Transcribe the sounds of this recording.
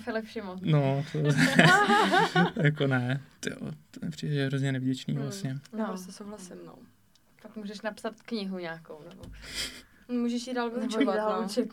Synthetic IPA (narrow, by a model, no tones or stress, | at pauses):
fɛlɪfʃɪmonot̪ozɛ | jakonɛt̪jo̰t̪omɛpr̝̥iːdɛʒɛɦɾozɲɛnɛvɟɛt͡ʃnḭːvlasɲɛnossɛsowɦlasɪmno̰ | fakmuːʒɛʃnapsat̪kɲɪɦuɲaːkownɛbo | muːʒɛʃjiːdaːlkuzovdaːlut͡ʃɛk